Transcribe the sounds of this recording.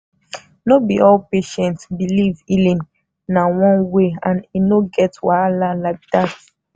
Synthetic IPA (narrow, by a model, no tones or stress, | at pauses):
nobiʔɔlpeʃɛ̃ntsbilivilĩn | nawɔ̃nweãninoɡɛtwaalalaɪk̚dat